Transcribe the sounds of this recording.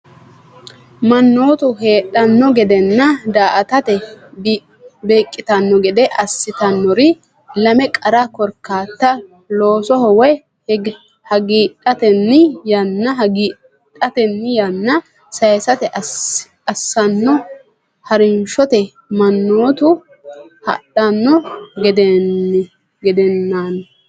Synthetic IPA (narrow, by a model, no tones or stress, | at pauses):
mɐnːo̞ːt̪ʊɦeːɗɐnːɔɡɛd̪ɛnːɐd̪aːʔɐt̪ɐt̪ɛ | beːkʼːɪt̪ɐnːɔɡɛd̪ɛʔɐsːɪt̪ɐnːɔɾɪ | lɐmɛkʼɐɾɐkɔɾkːaːt̪ːɐ | lo̞ːsɔhɔwɛ | hɐɡiːᶑɐt̪ɛnːɪjɐnːɐɦɡiː | tʼːɐt̪ɛnːɪjɐnːɐ | sɐjsɐt̪ɛʔ | ɐsːɐnːɔ | hɐɾɪnʃɔt̪ɛ | mɐnːoːt̪ʊ | hɐ̰ɗɐnːɔɡɛd̪ɛnː | ɡɛd̪ɛnːan